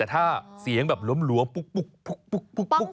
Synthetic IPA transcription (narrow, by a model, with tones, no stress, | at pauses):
ɛː˨˩t̪ʰaː˥˩si˨˩˦əŋbɛː˨˩p̚lo˦˥mlu˧˦əmu˨˩k̚u˨˩k̚pʰu˨˩k̚pu˨˩k̚u˨˩k